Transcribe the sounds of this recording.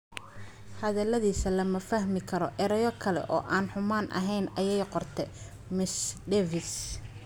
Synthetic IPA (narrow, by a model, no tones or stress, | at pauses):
hɐðɐlɐðiːsɐlɐmɐfɐhmɪkʰɐɾɔʔɛɾɐjɔkʰɐlɛ̰ʔɔ̰ːʔaːnħʊmaːnʔɐ̰ɦɛjnɐjɛjqɔrt̪ʰɛ | mɪsd̪ɛvɪs